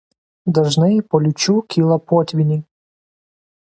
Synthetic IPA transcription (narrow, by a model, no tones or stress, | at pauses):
d̪ɐʒnɪjipɔlʲʊt͡ʃʲukʲʰilˠɐpɔt̪ʲʋʲinʲi